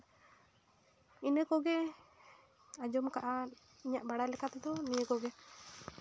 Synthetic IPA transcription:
inəkoɡɛ | ad͡ʒɔmkaʔa | iɲaʔbaɽalɛkat̪d̪ɔmijəkoɡɛ

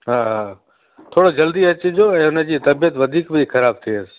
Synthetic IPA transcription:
ɦaːɦaː | t̪ʰoːɽod͡ʑɐld̪iɐt͡ɕɪd͡ʑoːɛ̃ːɦʊnəd͡ʑiːt̪ɐbijət̪ʋɐd̪ʱiːkbɪxɐɾaːb̚t̪ʰiəs

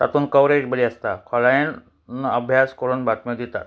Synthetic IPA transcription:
t̪a̰t̪uːnkəwɾed͡ʑbəliːəst̪akʰɔɭan | nəəbʱjaskəɾuːnbʱat̪mjod̪it̪a̰t̪̚

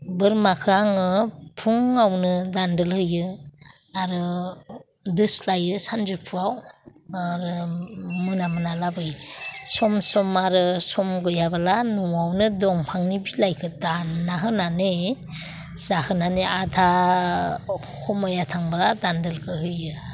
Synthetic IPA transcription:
bɯɾmakʰɯaŋɯpʰuŋawnɯdandɯlhɯjɯ | aɾɯ | dɯslajɯsanzɯpʰɯawaɾɯmɯnamɯnalabɯjsɔmsɔmaɾɯsɔmɡɯjabalanɔawnɯdɔŋpʰaŋnibilajkʰɯdanaɦɯnane | z̥ahɯnaneatʰa | hʰɔmajatʰaŋbaladandɯlkʰɯɦɯjɯ

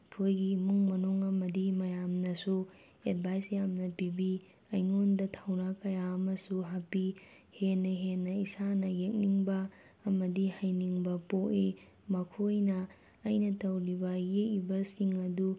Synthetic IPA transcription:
kʰojɡimuŋmɐnuŋɐmɐdimɐjamnɐsu | edbʱajsjamnɐpibi | ɐjŋondɐtʰawnakɐjaɐmɐsuɦapi | henːɐɦenːɐisanɐjek̚niŋbɐː | mɐdihajniŋbɐpoʔi | mɐkʰojnɐː | jnɐtɐwɾibɐjekːibɐsiŋɐdu

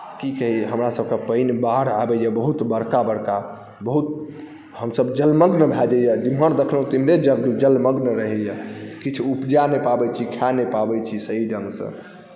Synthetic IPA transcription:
kikəɦiɦəmɾasəb̚kepəɪnbaɽabɛjɛbəɦut̪bəɽkabəɽka | bəɦut̪̚ | həmsəbd͡ʒəlməɡnəbʱɛd͡ʒɛjɛd͡ʒimɦəɾd̪ekʰləɦũt̪imɾed͡ʒəɡd͡ʒəlməɡnəɾəɦɛjɛkit͡ʃʰupd͡ʒanepabɛt͡ʃʰikʰanepabɛt͡ʃʰisəɦid͡ʒə̃ŋɡsə̰̃

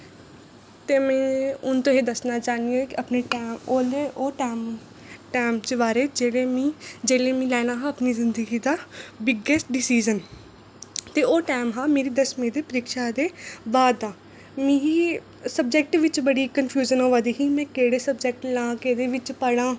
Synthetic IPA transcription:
t̪eːmɛ̃ːʊnt̪õːɦeːd̪əsnaːt͡ʃaːniãːkɪəpneːʈaːmoːleːʔoːʈaːm | ʈaːɪmt͡ʃəʋaːɾeːd͡ʒeːɽeːmĩːd͡ʒeːleːmĩːlɛːnaːɦaːəpniːzɪ̃nd̪əɡiːd̪aːbɪɡesʈɖɪsiːd͡ʒən | t̪eːoːʈaːɪmɦaːmeːɾiːd̪əsmẽːd̪eːpəɾɪːkʃaːd̪eːbaːd̪ːaː | mĩːɦiː | səb̚d͡ʒɛk̚ʈʋɪt͡ʃbəɽiːkənpʰjuːd͡ʒənɦoːʋaːd̪iːɦiːmɛ̃ːkeːɽeːsəbd͡ʒɛk̚ʈlãːkeːɾeːʋɪt͡ʃpəɽ̃ãː

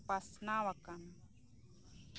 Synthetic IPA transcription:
pasnawakan

